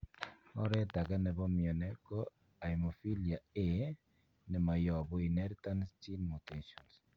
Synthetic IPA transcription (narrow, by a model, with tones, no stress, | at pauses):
ɔ˦ɾɛ˦ta˨kɛ˦nɛ˨βɔ˦mjɔ˨nɛ˦kɔ˦ | a˨i˨mɔ˨fi˦li˨a˨e˨ | nɛ˨ma˨jɔ˨bɔ˦i˨nɛ˦ɾta˦nsti˦lmu˨teʃɔ˨ns